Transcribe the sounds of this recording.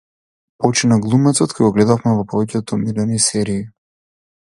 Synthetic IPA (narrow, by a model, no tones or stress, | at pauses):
pɔt͡ʃinaɡlˠumɛt̪sɔt̪kʰɔjɡɔɡlɛd̪afmɛvɔpɔvɛcɛt̪ɔmilɛnisɛɾiː